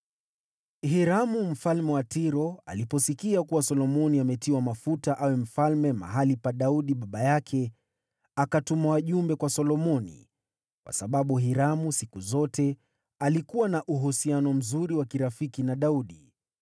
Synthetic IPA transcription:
hiɾamum̩falmɛwatiɾɔa̰lipɔsikiakuwasɔlɔmɔniamɛtiwamafutaʔawɛm̩falmɛma̰ɦalipaɗauɗiɓaɓajakʰɛ | akatumawaʄumbɛkwasɔlɔmɔnḭ | kwa̰saɓaɓuɦiɾamusikuzɔtɛ | alikuwanaʔuɦusianɔm̩zuɾiwakiɾafikinaɗauɗi

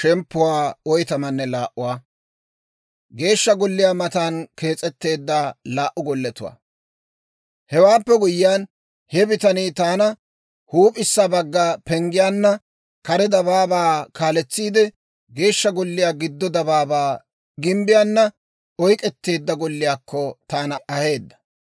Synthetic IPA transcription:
ʃɛmpːʊwaːɔjt̪ɐmɐnːɛlaːʔʊwaː | ɡe̞ːʃːɐɡɔlːɪjaːmɐt̪aːnke̞ːt͡sʼːɛt̪ːe̞ːd̪ːaːlaːʔːʊɡɔlːɛt̪ʊwa̰ː | hɛwaːpːɛɡʊjːɪjaːn | hɛbɪt̪ɐniːt̪aːnɐ | huːpʼɪsːabɐɡːaːpɛŋɡɪjaːnːɐ | kɐɾɛd̪ɐβaːbaːkaːlɛt͡sːiːd̪ɛ | ɡe̞ːʃːɐɡɔlːɪjaːɡɪd̪ːɔd̪ɐbaːbaː | ɡɪmbɪjaːnːɐ | ɔjkʼɛt̪ːe̞ːd̪ːɐɡɔlːɪjaːkʰːɔt̪aːnɐʔɐhe̞ːd̪ːɐ̥

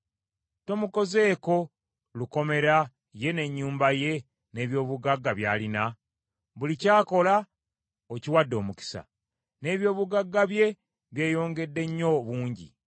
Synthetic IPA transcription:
to̞muko̞ze̞ːko̞ | luko̞me̞ɾa | je̞ne̞ɲːuːmbaje̞ | ne̞ːβjo̞ːβuɡaɡːaβjaːlina | βulicaːko̞la | ociwadːo̞ːmuki̥sa̰ | ne̞ːβjo̞ːβuɡaɡːaβje̞ | βje̞ːjo̞ːŋɡe̞dːe̞ɲːo̞βuːɲɟḭ

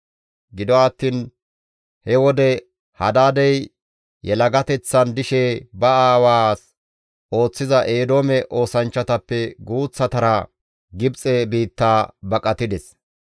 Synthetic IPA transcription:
ɡɪd̪ɔɐt̪ːiːn | hɛwɔd̪ɛ | hɐd̪aːd̪ɛj | jɛlɐɡɐt̪ɛt͡sːɐnd̪ɪʃɛbɐaːwaːs | ʔo̞ːt͡sːɪzɐʔeːd̪o̞ːmɛʔo̞ːsɐnt͡ʃːɐt̪ɐpːɛɡuːt͡sːɐt̪ɐɾɐ | ɡɪbt͡sʼɛbiːt̪ːaːbɐkʼɐt̪ɪd̪ɛs

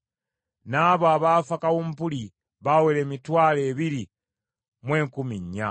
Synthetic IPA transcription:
naːβoaβaːfakawumpuli | βawele̞ːmitwaːleːβiɾi | mwe̞ːŋkumiɲːa̰

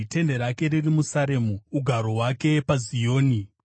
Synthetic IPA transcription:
te̞nde̞ɾake̞ɾirimusaɾe̞muuɡʱaɾo̞ɦwake̞pazijoːni

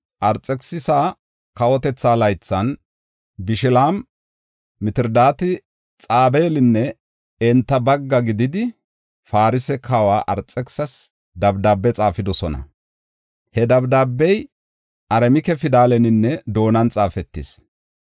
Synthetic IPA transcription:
ʔɐɾt͡sʼːɛksɪsaː | kɐwɔt̪ɛt͡sːaːlɐjt͡sːɐn | bɪʃɪlaːm | mɪt̪ɪɾd̪aːt̪ɪ | t͡sʼaːbeːlɪnːɛ | ɛnt̪ːɐbɐɡːɐɡɪd̪ɪd̪ɪ | faːɾɪsɛkʰɐwaːʔɐɾt͡sʼːɛksɐs | d̪ɐbd̪aːbːɛt͡sʼaːfɪd̪ɔsɔnɐ̰ | hɛd̪ɐbd̪aːbːɛj | ʔɐɾɛmɪkɛfɪd̪aːlɛnɪnːɛd̪o̞ːnɐnt͡sʼaːfɛt̪ːɪs

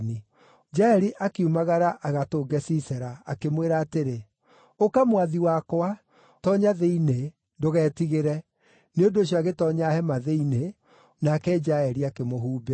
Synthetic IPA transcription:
ni | d͡ʒaɛɾiʔakeumaɣaɾaʔaɣatoːɡɛsisɛɾaːkemweɾaːteɾe | okamwaðiwakoa | tɔɲaðeine | ndoɣɛːtiɣeɾɛ | neondoːɕ̬jɔaɣetɔɲahɛmaðeine | nakɛd͡ʒaɛɾiakemoɦuːbe

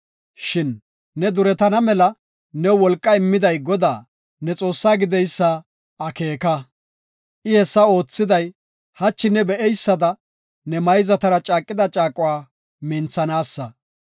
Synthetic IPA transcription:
ʃɪnː | ɛd̪ʊɾɛt̪ɐnɐmɛlɐ | nɛwwɔlkʼːɐɪmːɪd̪ɐjɡɔd̪aː | nɛt͡sʼo̞ːsːaːɡɪd̪ɛjsːɐ | ɐkeːkɐ | ʔɪhɛsːɐo̞ːt͡sːɪd̪ɐj | hɐt͡ʃːɪnɛbɛʔɛjsːɐd̪ɐ | nɛmɐjzɐt̪ɐɾɐt͡ʃʼaːkʼːɪd̪ɐt͡ʃʼaːkʼʊwaː | mɪnt͡sːɐnaːsːɐ

